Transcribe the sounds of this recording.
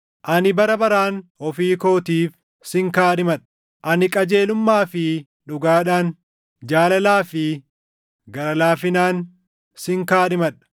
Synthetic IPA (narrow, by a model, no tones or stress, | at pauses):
ʔɐnɪbɐɾɐbɐɾaːnhɔfiːko̞ːt̪iːf | sɪŋkaːᶑɪmɐᶑ | ʔɐnɪkʼɐd͡ʒe̞ːlʊmːaːfɪ | ᶑʊɡaːᶑaːn | d͡ʒaːlɐlaːfɪ | ɡɐɾɐlaːfɪnaːn | sɪŋkaːᶑɪmɐᶑɐ̥